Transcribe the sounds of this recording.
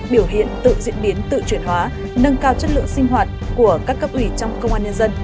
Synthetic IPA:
ɓi˧˩əwɦḭ˧˨ənt̪ɨ̰˧˨zḭ˧˥ənɓi˨˦ənt̪ɨ̰˧˨t͡ɕwi˧˩ənhwaː˨˦ | nə˧ŋkaː˧wt͡ɕə˦˥t̚lɨ̰˧˨əŋsi˧ŋ̟ɦwaː˨˩t̚ku˧˩əkaː˦˥kːə˦˥p̚ʔwi˧˩t͡ɕɔ˧wŋ͡mkə˧wŋ͡mʔaː˧nɲə˧nzə˧n

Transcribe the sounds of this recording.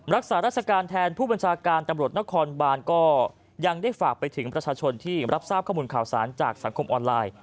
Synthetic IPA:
ɾa˦˥k̚saː˩˦ɾa˥˩t͡ɕʰa˧kaː˧nt̪ʰɛː˧npʰuː˥˩ba˧nt͡ɕʰaː˧kaː˧nt̪a˧mɾu˨˩ət̪̚na˦˥kʰɔː˧nbaː˧nkɔː˥˩ | ja˧ŋda˥˩jfaː˨˩k̚pa˧jt̪ʰɯ˩˦ŋpɾa˧t͡ɕʰaː˧t͡ɕʰo˧nt̪ʰiː˥˩ɾʔa˦˥p̚saː˥˩p̚kʰa˥˩muː˧nkʰaː˨˩wsa̰ː˩˦nt͡ɕaː˨˩k̚sa˩˦ŋkʰo˧mʔɔː˧nlaː˧j

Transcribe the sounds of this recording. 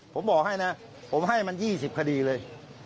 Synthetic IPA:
pʰo˩˦mbɔː˨˩k̚ɦa˥˩jna˦˥ | pʰo˩˦mɦa˥˩jma˧njiː˥˩si˨˩p̚kʰa˧diː˧lɤː˧j

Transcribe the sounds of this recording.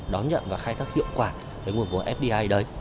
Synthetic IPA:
ɗɔ˨˦nɲə̰˧˨nvaː˨˩xaː˧jt̪ʰaː˦˥k̚hḭ˧˨əwŋ͡mkwaː˧˩eː˨˦jŋu˨˩ənvʔɛ˦˥p̚ɗi˧ʔaː˧jɗə˨˦j

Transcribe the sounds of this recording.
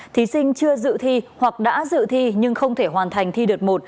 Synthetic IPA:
t̪ʰi˨˦sï˧ŋ̟t͡ɕɨ˧əzɨ̰˧˨t̪ʰi˧hwa˨˩k̚ɗa̰ː˧˥zɨ̰˧˨t̪ʰi˧ɲɨ˧ŋxə˧wŋ͡mt̪ʰe˧˩ɦwaː˨˩nt̪ʰa˨˩jŋ̟t̪ʰi˧ɗɨ˨˩ək̚mo˨˩t̚

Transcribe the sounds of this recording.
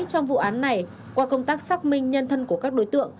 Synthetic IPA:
t͡ɕɔ˧wŋ͡mvṵ˧˨ʔaː˨˦nːa˨˩j | kwaː˧kə˧wŋ͡mt̪aː˦˥k̚saː˦˥k̚mï˧ŋ̟ɲə˧nt̪ʰə˧nku˧˩əkaː˦˥k̚ɗo˨˦jt̪ɨ̰˧˨əŋ

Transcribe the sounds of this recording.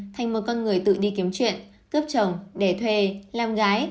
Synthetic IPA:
t̪ʰa˨˩jŋ̟mo˨˩kɔ˧nŋɨ˨˩əjt̪ɨ̰˧˨ɗi˧ki˨˦əmt͡ɕwḭ˧˨ən | kəː˦˥p̚t͡ɕə˨˩wŋ͡mɗe˧˩t̪ʰwe˨˩laː˨˩mɣaː˨˦j

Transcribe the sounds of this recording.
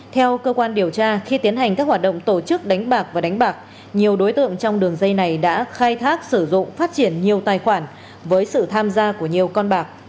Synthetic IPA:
t̪ʰɛ˧wkəː˧kwaː˧nɗi˨˩əwt͡ɕaː˧xi˧t̪i˨˦ənɦa˨˩jŋ̟kaː˦˥k̚hwaː˨˩t̚ɗə̰˧˨ŋ͡mt̪o˧˩t͡ɕɨ˦˥k̚ɗa˨˦jŋ̟ɓaː˨˩k̚vaː˨˩ɗa˨˦ŋ̟ɓaː˨˩k̚ | ɲi˨˩əwɗo˨˦jt̪ɨ̰˧˨əŋt͡ɕɔ˧wŋ͡mɗɨ˨˩əŋzə˧jna˨˩jɗa̰ː˧˥xaː˧jt̪ʰaː˦˥k̚sɨ˧˩zʊ̰˧˨ŋ͡mfaː˦˥t̚t͡ɕi˧˩ənɲi˨˩əwt̪aː˨˩jxwaː˧˩n | vəː˨˦jsɨ̰˧˨t̪ʰaː˧mzaː˧ku˧˩əɲi˨˩əwkɔ˧nɓaː˨˩k̚

